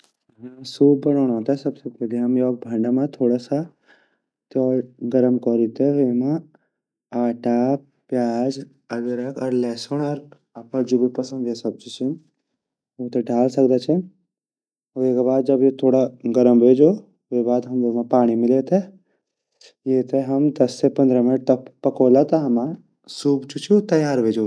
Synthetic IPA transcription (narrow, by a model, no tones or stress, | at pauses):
ɦmsuːb̚bɐnɔːɽɔːt̪aɛsɐbsepɛɦleɦɐmjoːk̚bʱɐ̃ɳɖamãt̪ʰoːɽasa | t̪oːɾɡəɾəmkɔːɾit̪eʋeːmã | aːʈa | pjaːd͡ʒ | ɐɡeɾəkɔɾlɛːsonɔɾ | apəd͡ʒubupɐsə̃nd̪esɐb̚t͡ʃit͡ʃʰen | oːt̪eɖʱaːlsɐkd̪at͡ʃʰen | ekabaːd̪̚d͡ʒɐbjet̪ʰoːɽaɡɐɾəmbʱeːd͡ʒoː | ʋebaːd̪ɦɐmd̪oːmãpaːɽ̃imɪlet̪ʰe | jeːt̪eɦɐmd̪ɐsːepɐnd̪ɾamɪnʈ̚t̪ɐppɐkoːlat̪ɐɦɐma | suːbt͡ʃut͡ʃʰut̪ɐjaːɾbʱeːd͡ʒo